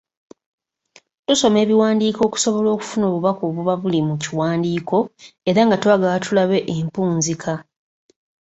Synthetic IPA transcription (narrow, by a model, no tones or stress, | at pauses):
tuso̞me̞ːβiwaːndiːko̞ːku̥so̞βo̞lo̞ːku̥funo̞ːβuβakoːβuβaβulimuciwaːndiːko̞eɾaŋɡatwaːɡawatulaβe̞ʔempuːnzikʰa